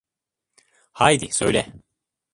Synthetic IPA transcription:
hajd̪isø̰jlʲɛ̰

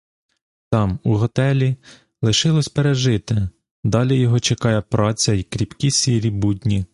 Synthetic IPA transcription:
t̪ɑmuɦɔt̪ɛlʲi | lˠɪʃɪlˠɔsʲpeɾeʒɪt̪ɪ | d̪ɑlʲijɔɦɔt͡ʃekɑjɛpɾɑt͡sʲɐikɾʲipkʲisʲiɾʲibudʲnʲi

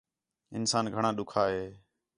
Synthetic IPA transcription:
ɪ̰nsaːnɡʱəɳ̃ãːɗʊkʰaːɦeː

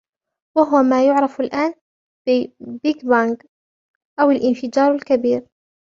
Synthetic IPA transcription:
waɦʊwamaːjʊʕɾˤɑfalʔaːn | bɪbɪɡbaŋɡ | ʔawalʔɪnfɪd͡ʒɑːɾˤalkabiːɾ

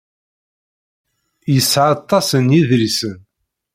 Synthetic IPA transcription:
jəsːʕɑt̪ˤːɑsənjiðɾisən

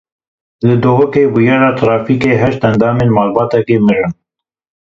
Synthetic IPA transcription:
lɨd̪oɦoːkeːbujɑːɾɑːt̪ʰɾɑːfiːkeːɦɛʃt̪ɛnd̪ɑːmeːnmɑːlbɑːt̪ɛkeːmɨɾɨn

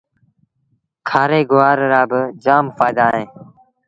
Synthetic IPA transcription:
kʰaːɾeːɡʊʋaːɾɾaːbɪd͡ʒaːmfaːd̪aːɦẽː

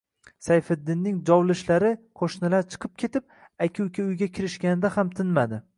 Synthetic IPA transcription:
sajfɪd̪ːɪnːɪŋd͡ʒɒwlɪʃlaɾɪqʰoʃnalaɾt͡ʃʰɨ̥qʰɨp̚kʲʰe̞t̪ɪp̚ | akʲʰɪʊkʲɪʊjɡʲakʲʰɪɾɪʃkʲanɪd̪ahamt̪ʰɪnmad̪ɪ

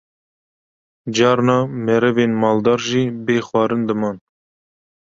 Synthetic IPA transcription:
d͡ʒɑːɾnɑːmɛɾɛveːnmɑːld̪ɑːɾʒiːbeːxwɑːɾɨnd̪ɨmɑːn

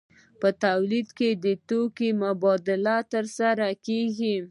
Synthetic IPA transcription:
pət̪awlid̪ked̪ət̪okimʊbɑd̪ɪlat̪əɾsaɾakeɡi

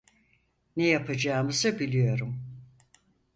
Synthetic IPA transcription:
nɛjapʰad͡ʒaːmɯzɯbilʲijo̞ɾum

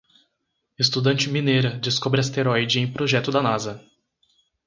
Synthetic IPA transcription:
est̪ud̪ɐ̃nt͡ʃɪminejɾɐd͡ʒɪskobɾɪɐst̪eɾɔjd͡ʒɪẽj̃pɾoʒɛt̪ʊd̪ɐnazɐ

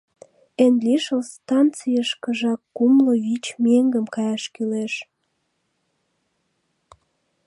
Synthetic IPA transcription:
enliʃəlst̪ɑnt͡sijəʃkəʒɑkːumlovit͡ɕmeŋɡəmkɑjɑʃkyleʃ

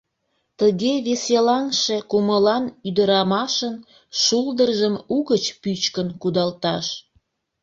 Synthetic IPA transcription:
t̪əɣeβeselɑŋʃekuməlɑnyd̪əɾɑmɑʃən | ʃuld̪ərʒəmuɣət͡ɕpyt͡ɕkənkud̪ɑlt̪ɑʃ

